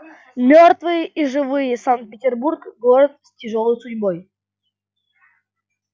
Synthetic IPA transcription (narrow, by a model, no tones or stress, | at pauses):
mʲort̪vɨjəʔiʐɨvɨjəsankt̪̚pʲɪtʲɪrburkɡɔɾət̪stʲɪʐolˠəjsʊdʲboj